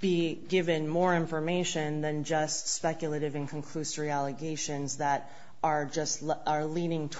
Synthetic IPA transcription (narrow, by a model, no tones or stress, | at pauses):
b̥iɡɪvɨ̃nmɔɹɪ̃ɱfə˞meɪʃɨ̃nðɨ̃nd͡ʒʌstspɛkjlˠəɾɨvɨ̃nkʰə̃n̩kʰl̥ʉsə˞iælˠəɡeɪʃɨ̃nzðəɾ | ʔə˞d͡ʒʌstə˞liɾɪ̃ŋtʰ